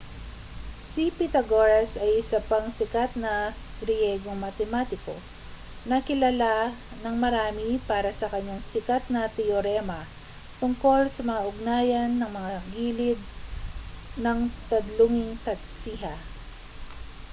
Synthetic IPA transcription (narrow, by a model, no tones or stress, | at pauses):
sipɪt̪ɐɡoɾɐsɐjʔɪsɐpaŋsɪkat̪̚nɐ | ɡɾɪjɛːɡoŋmɐt̪ɛmat̪ɪko̞̰ | nɐkɪlala | nɐŋmɐɾaːmipaːɾɐsɐkɐɲːaŋsɪkat̪̚nɐt̪ɛjoɾɛmɐ | t̪ʊŋko̞lsɐmɐŋaʔʊɡ̚naːjɐnːɐŋmɐŋaɡiːlɪd̪̚ | nɐŋt̪ɐd̪lʊŋɪŋt̪ɐt̪̚siɦɐ